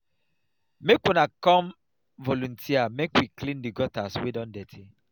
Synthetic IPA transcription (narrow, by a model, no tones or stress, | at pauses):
mekwɔ̃nakɔ̃m | vɔlũntʰiamekwiklĩndiɡɔtaswidɔ̃ndɛtʰi